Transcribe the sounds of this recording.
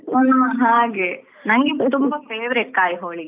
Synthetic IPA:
onɐɦaːɡe | nɐnɡet̪umbɐpeːʋɾeʈ̚kaːjɦoːɭi

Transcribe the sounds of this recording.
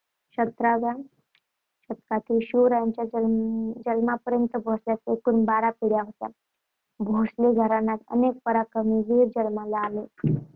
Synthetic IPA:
ɕət̪ɾabja | ɕət̪kat̪ilɕuɾajaɲt͡ɕjaəd͡ʒəlmapəɾjənt̪əbʱosljat͡sekunbaɾapiɽjaɦət̪ja̰ | bʱosleɡʱəɾanakə̰nek̚pəɾakəmiɡiɾd͡ʑəlmalaale

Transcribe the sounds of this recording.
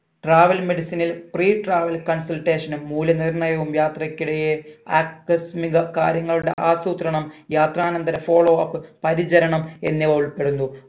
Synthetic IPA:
ʈraːʋɐlme̞ɽisinilpriːʈraːʋɐlkɐnsɐlʈeːʂɐnumːuːlɐnirɳɐjɐʋumjaːt̪rɐkʲːiɽejeaːkːɐsmiɣɐkaːɾjɐŋːɐɭuɽe̞̰ʔaːsuːt̪ɾɐɳɐmjaːt̪raːnɐnd̪ɐɾɐfo̞ːɭoːaːpːɨpɐɾid͡ʑɐɾɐɳɐme̞̰nːiʋɐuɭpe̞ɽunːu

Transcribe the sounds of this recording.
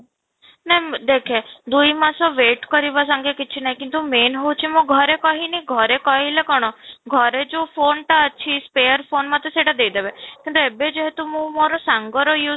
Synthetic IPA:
nɛɦd̪ekʰed̪ujmasɔʋeʈkɔɾibas̬aŋɡekit͡ʃʰinaɦĩkint̪umenɦout͡ʃʰimũɡʱɔɾekɔɦinɛiɡʱɔɾekɔɦilekɔɽ̃ɔɡʱɔɾed͡ʒopʰonʈaət͡ʃʰispejəɾpʰonmat̪eseʈad̪ejd̪ebekint̪uebed͡ʒeɦet̪umũmoɾɔsaŋɡɔɾɔju

